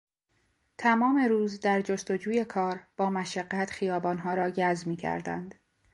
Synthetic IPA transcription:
t̪ʰæmɒːme̞ɾuːzd̪æɾd͡ʒo̞st̪o̞d͡ʒuːje̞kʰɒːɾb̥ɒːmæʃæɢːæt̪xijɒːbɒːnɦɒːɾɒːɟæzmiːcʰæ̰ɾd̪æ̰nd̪̥

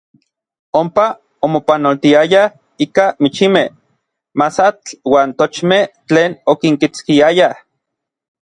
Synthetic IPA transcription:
ompa | omopanolt̪iaja | ikamit͡ʃimeh | masat͡ɬwaːnt̪ot͡ʃmeht͡ɬeːnokiŋkit͡skiaja

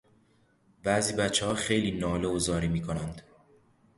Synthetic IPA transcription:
bæziːbæt̪t͡ʃʰːehɒːxejliːnɒːleozɒːɾiːmiːkʰonænd̪

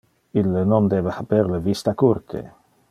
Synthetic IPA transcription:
ilːenond̪ebexapeɾlevist̪akuɾt̪ʰḛ

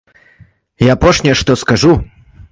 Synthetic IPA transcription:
japɔʂnʲɛʂt̪ɔskaʐu

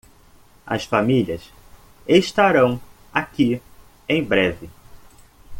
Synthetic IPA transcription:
ɐ̰sfamiljɐs | eʃt̪aɾɐ̃w̃ | aki | ẽj̃bɾɛvɪ

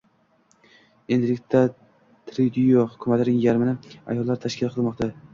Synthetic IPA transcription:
end̪ɪlɪk̚ʲt̪a | t̪ʰɾid̪ijohʊkʲʰʊmat̪ɪnɪŋjaɾmɪnɪa̰jɒlˠːaɾt̪ʰaʃkʲɪlˠqʰɨlˠmɒqt̪ʰa

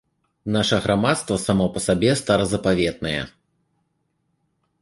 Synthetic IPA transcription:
naʂɐɣɾamat̪st̪vɐsamɔpɐsabʲɛst̪aɾɐzɐpavʲɛt̪̚nɐjɛ̰

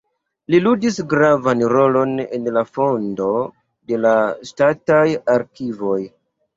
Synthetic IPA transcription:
liludisɡɾavanɾo̞lo̞nḛnlafo̞ndo̞ | de̞lastatajaɾkivo̞j

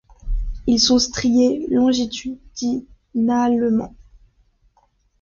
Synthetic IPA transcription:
ilsɔ̃st̪χijelɔ̃ʒit̪ʰyd̪d̪i | naləmɑ̰̃

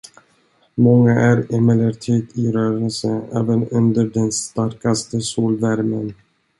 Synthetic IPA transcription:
mɔŋːaʔæɾɛmɛləɾʈ̪ʰiːt̪ʰɪɾœːɾəlsəɛ̰ːvənɵnd̪əɖɛnst̪aɾkast̪əsuːlvæɾmən

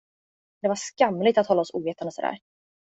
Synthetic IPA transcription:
d̪ɛvaʂkamːlɪɡt̪at̪hɔlːaɔsuːveːt̪and̪əsɔd̪æ̰ːɾ

